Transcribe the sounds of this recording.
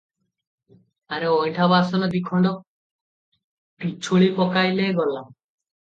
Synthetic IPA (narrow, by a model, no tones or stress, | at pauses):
aɾeɔjʈʰabasɔnɔd̪ikʰɔɳɖɔ | pit͡ʃʰuɭipɔkajleɡɔlːam